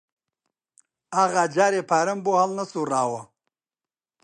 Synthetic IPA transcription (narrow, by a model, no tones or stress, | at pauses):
aɣad͡ʒaːɾepaɾɐmbuhalnɐsuɾaːwɐ